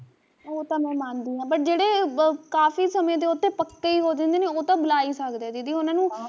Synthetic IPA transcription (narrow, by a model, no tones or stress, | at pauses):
oːt̪ãːmɛ̃ːmãːnd̪iːãːpəʈ̚d͡ʒeːɽeːkaːfiːsəmjẽːt̪̬eːot̪ʰːeːpəkːeiːɦoːd̪ẽnd̪eːneːoːt̪ãːbʊlaːiːsəkd̪eːd̪iːd̪iːʊnãːnũː